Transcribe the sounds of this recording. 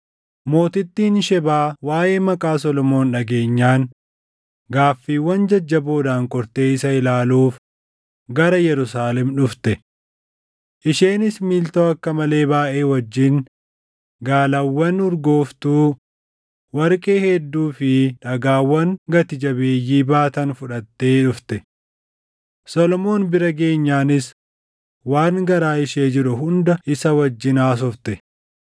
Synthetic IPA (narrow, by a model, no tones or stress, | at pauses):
mo̞ːt̪ɪt̪ːiːnʃɛbaːwaːʔe̞ːmɐkʼaːsɔlɔmo̞ːnᶑɐɡe̞ːɲːaːŋ | ɡaːfːiːwːɐnd͡ʒɐd͡ʒːɐbo̞ːd̪aːŋkʼɔɾt̪e̞ːɪsɐɪlaːluːf | ɡɐɾɐjɛɾʊsaːlɛmᶑʊft̪ɛ | ʔɪʃeːnɪsmiːlt̪oːɐkːɐmɐle̞ːbaːʔeːwɐd͡ʒːɪŋ | ɡaːlɐwːɐnʊɾɡo̞ːft̪uː | wɐɾkʼeːhɛd̪ːuːfɪᶑɐɡaːwːɐŋɡɐt̪ɪd͡ʒɐbe̞ːjːiːbaːt̪ɐnfʊᶑɐt̪ːeːᶑʊft̪ɛ | sɔlɔmo̞ːnbɪɾɐɡe̞ːɲːaːnɪs | waːŋɡɐɾaːɪʃeːd͡ʒɪɾʊhʊnd̪ɐɪsɐwɐd͡ʒːɪnaːs̬ɔft̪ɛ